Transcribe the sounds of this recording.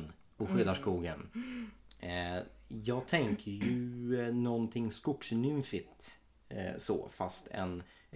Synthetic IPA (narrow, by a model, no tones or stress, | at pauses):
n | ɔɧʏd̪aʂkuːɡən | jɑːɡ̚t̪ʰɛŋkʰəjɵnɔnt̪ʰɪŋːskʊksnʏmfɪt̪ | sɔ̰fast̪ʰɛ̰n